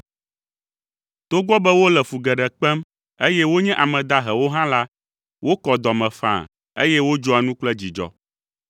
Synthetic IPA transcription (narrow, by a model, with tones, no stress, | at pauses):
t̪o˦ɡɔ˦bɛ˦wo˦lɛ˨fu˨ɡɛ˨ɖɛ˨k͡pɛ˦m | e˦jɛ˦wo˦ɲɛ̃˦ʔa˨mɛ̃˨d̪a˦ɦɛ˨wo˦ɦã˦la˦ | wo˦kɔ˨d̪ɔ˨mɛ̃˨fã̰˨ | ḛ˦jɛ˦wo˦d͡ʒɔ˦a˨nũ˦k͡plɛ˦d͡ʑi˨d͡ʒɔ̰˦